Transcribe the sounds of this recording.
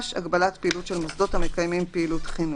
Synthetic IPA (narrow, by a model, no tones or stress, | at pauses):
ʃa̰ɡbalatpeilutʃelmosd̪o̞tamekajmimpeilutχinu